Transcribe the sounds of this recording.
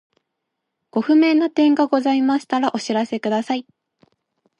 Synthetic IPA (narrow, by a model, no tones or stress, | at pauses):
ɡ̥o̞ɸɯ̟me̞nːat̪ẽ̞ŋɡaɡo̞zaimaɕi̥t̪aɾaʔo̞ɕiɾase̞kɯ̟d̪asai